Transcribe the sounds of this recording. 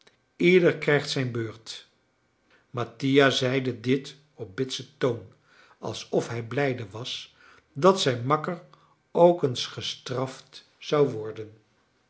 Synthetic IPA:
ɪdəɹkrɛjχtsɛjnbøːɹt | mɑtijazɛjdədɪt | ɔp̚bɪtsətown | ɑ̰lˠsɔfɦɛjblɛjdəʋɑs | dɑtsɛjnmɑkər | owkənsχəstrɑft | sɑwʋɔɹdən

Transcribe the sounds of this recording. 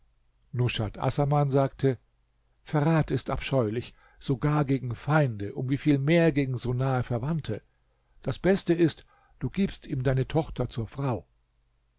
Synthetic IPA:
nʊʃatʔa̰sɐmanzaːktʰə | fɛɐʁaːtɪsta̰pʃɔʏlɪç | z̥oɡaːɐɡeːɡŋ̩faɪndəʔʊmviːfiːlmeːɐɡeːɡŋ̩zoːnaːəfɛɐvantʰə | d̥asb̥ɛstəɪst | d̥uːɡiːpstiːmdaɪnətʰɔχtʰɐt͡suːɐfʁ̥aʊ

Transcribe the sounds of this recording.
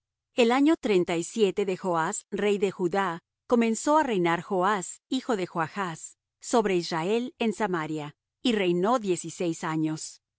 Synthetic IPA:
e̞laɲo̞t̪ɾe̞nt̪ajsje̞t̪e̞ðe̞xoasre̞jðe̞xuða | ko̞mẽ̞nso̞are̞jnaɾxo̞asixo̞ðe̞xoaxasː | o̞βɾe̞israe̞le̞nsamaɾja | ire̞jno̞ðje̞sise̞jsaɲo̞s

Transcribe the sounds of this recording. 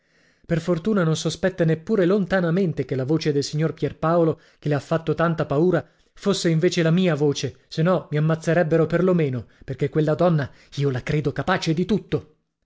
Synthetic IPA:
perfort̪uːnanõnsospɛt̪ːanepːuːɾelont̪anament̪ekelːavoːt͡ʃed̪elsiɲːorpjɛrpaolo | keleafːat̪ːot̪ant̪apauːɾa | fosːeiɱveːt͡ʃelamiːavoːt͡ʃe | senːɔmiamːat̪sːeɾɛbːeɾoperlomeːnoperkekːwelːad̪ɔnːa | iːolakɾeːd̪okapaːt͡ʃed̪it̪ut̪ːo

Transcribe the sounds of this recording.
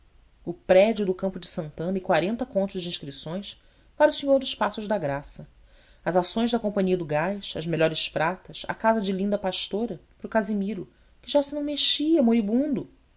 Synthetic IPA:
ʊpɾɛd͡ʒʊd̪ʊkɐ̃mpʊd͡ʒɪsɐ̃nt̪ɐ̃nɐɪkwaɾẽnt̪ɐkõnt̪ʊzʒd͡ʒɪĩʃkɾisõj̃s | paɾɐʊsiɲoɾd̪ʊʃpasʊʒd̪ɐɡɾasɐ | ɐzasõj̃ʒd̪ɐkõmpɐ̃ɲiɐd̪ʊɡajʃɐ̰zmeʎɔɾɪspɾat̪ɐsa̰kazɐd͡ʒɪlĩnd̪ɐpaʃt̪oɾɐpɾʊkazimiɾʊ | kɪʒasɪnɐ̃w̃meʃiɐmoɾibũnd̪ʊ

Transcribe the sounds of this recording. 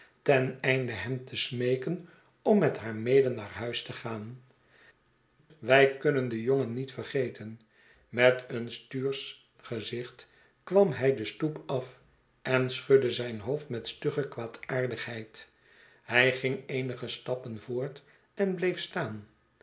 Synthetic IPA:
tɛnɛjndəɦɛmtʰəsmejkən | ɔmːɛtɦaːɹmejdənːaːɹɦœɥstəχaːn | ʋɛjkɵnəndəjoŋənːitfəɹχejtʰən | mɛtənstyːɹs | χəzɪχt | kʋɑmɦɛjdəstupɑf | ʔɛnsχɵdəzɛjnɦowftmɛtstøχəkʋaːtaːɹdəχɦɛjt | hɛjχɪŋejnəχəstɑpənvʊːɹt | ɛnblejfstaːn

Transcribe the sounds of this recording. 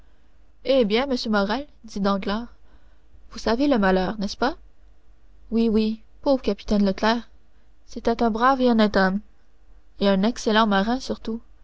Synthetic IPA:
ebjɛ̃məsjømɔʁɛl | d̪id̪ɑ̃ɡlaːʁ | vusaveləmalœːʁnɛspa | wiwi | povʁəkapi̥t̪ɛnlət̪lɛːʁ | set̪ɛt̪ɛ̃bʁaveɔnɛt̪ɔm | eɛ̃nɛkselɑ̃maʁɛ̃syʁt̪u

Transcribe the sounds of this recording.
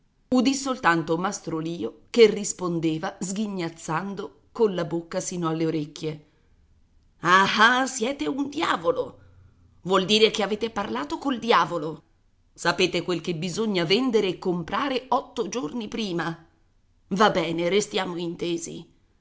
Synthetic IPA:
ud̪isolt̪ant̪omast̪ɾoliːokerːispond̪eːvazɡ̟iɲːat̪sːand̪o | konlabokːasiːnoalːeoɾekːje | ahasjɛːt̪eund̪jaːvolo | vwɔld̪iːɾekeaveːt̪eparlaːt̪okold̪jaːvolo | sapeːt̪ekwelkebizoɲːavɛnd̪eɾeːkːompɾaːɾeʔɔt̪ːod͡ʒornipɾiːma | vabːɛːneɾest̪jaːmoint̪eːzḭ

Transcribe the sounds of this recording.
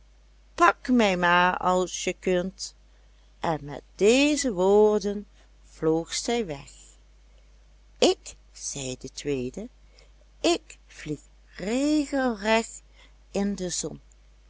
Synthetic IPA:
pɑkmɛjmaːɹɑlˠsjəkɵnt | ʔɛnmɛ̰t̚d̥ejzəʋoːɹdən | v̥loːxsɛjʋɛx | ɪk | z̥ɛjdətʋejdə | ɪkv̥lix | reːɣəlˠrɛx | ɪndəzɔn

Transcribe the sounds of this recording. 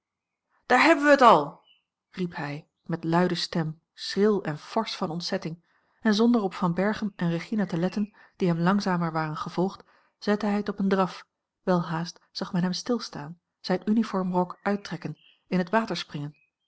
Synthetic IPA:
d̥aːɹɦɛbənʋəətɑlˠ | ripɦɛj | mɛtlœɥdəstɛm | srɪlˠɛnfɔɹsfɑnɔntsɛtɪŋ | ɛnzɔndəɹɔpfɑnbɛɹχəmʔɛnrəχinatəlɛtən | d̥iɦɛmlɑŋzaːməɹʋaːrənχəv̥ɔlˠχt | z̥ɛtəɦɛjətɔpəndrɑf | ʋɛlˠɦaːstz̥ɑχmɛnɦɛmstɪlˠstaːn | z̥ɛjnynifɔɹmrɔkœɥtrɛkən | ɪnɦətʋaːtəɹsprɪŋən

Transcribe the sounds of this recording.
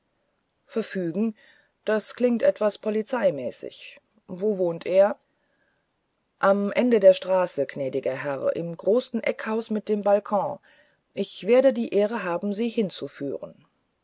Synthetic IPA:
fɛɐfyːɡŋ̩ | d̥askl̥ɪŋktʔɛtv̥aspʰɔlit͡saɪmɛːsɪ̰ç | voːvoːntʰʔeːɐ | ʔamʔɛndədeːɐʃtʁ̥aːsəɡ̥nɛːdɪɡɐɦɛʁʔɪ̰mɡʁoːsn̩ʔɛkhaʊsmɪt̚d̥eːmbalkʰɔ̃ː | ʔɪçv̥eːɐɾədiːʔeːʁ̞əɦaːbm̩ziːhɪnt͡sufy̰ːʁən

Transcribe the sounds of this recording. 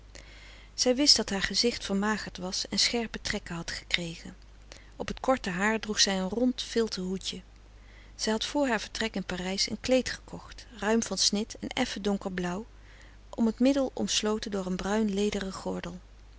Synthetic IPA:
z̥ɛjʋɪsd̥ɑtɦaːɹχəzɪχtfəɹmaːχəɹtʋɑsɛnsχɛɹpətrɛkəɦɑtχə̥krejχən | ɔpɦətkɔɹtəɦaːɹdruχsɛjənrɔntfɪlˠtəɦucə | z̥ɛjɦɑtfʊːɹɦaːɹv̥əɹtrɛkɪnpaːrɛjsə̰nklejtχə̥kʰɔχtrœɥmvɑnsnɪtɛnɛ̰fədɔŋkəɹblʌw | ʔɔmətmɪdəlˠɔ̰mslowtəndʊːɹənbrœɥnlejdərəχɔɹdəlˠ

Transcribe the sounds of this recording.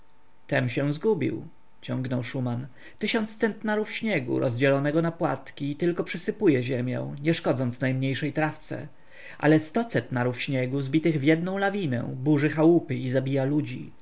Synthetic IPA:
t̪ɛmɕɛwzɡubʲḭw | t͡ɕɔŋɡnɔwʂuman | t̪ɘɕɔnt̪st̪sɛnt̪naɾufɕɲɛɡṵɾɔzd͡ʑɛlɔnɛɡɔnapwa̰t̪kʲit̪ɘlkɔpʂɘsɘpujɛʑɛmʲjɛ̰̃w̃ɲɛʂkɔd̪zɔnt̪snajmɲejʂɛjt̪ɾaft̪sɛ̰ | ʔa̰lɛst̪ɔt̪sɛnt̪naɾufɕɲɛɡuzbʲit̪ɘɣvʲjɛd̪nɔ̃w̃lavʲinɛ̰̃buʐɘxawupɘizabʲijalud͡ʑḭ

